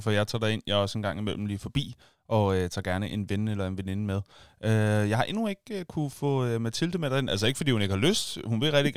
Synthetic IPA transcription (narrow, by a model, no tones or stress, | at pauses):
fɒjɑ̈ɪt͡sʰɑ̰̈ːd̥ɑ̈e̝njɑ̈ɒsenɡ̥ɑ̈ŋ̰imel̰m̩liːfɒ̽b̥ḭː | ʔɒ̽øt͡sʰɑ̰̈ːɡ̥æɐnəʔe̝nʋenelɐe̝nʋene̝nəmeð̞ˠʔøjɑ̈hɑ̈ʔe̝nue̝ɡ̥̚økʰufɔ̰̽ːømæt͡sʰild̥əmed̥ɑenʔælsəe̝ɡ̥əfɒdḭːhune̝ɡ̥hɑ̈løsd̥hunʋe̝ʁɛɡ̥d̥iɡ̥